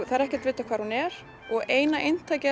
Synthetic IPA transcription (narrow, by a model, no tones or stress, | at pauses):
θaðɛɾɛhcɛ̥ɾt̪vɪːjt̪akʰvaːɾhunɛɾ̥ | ɔɣeːjnaʔejnt̪ʰaːjcɪ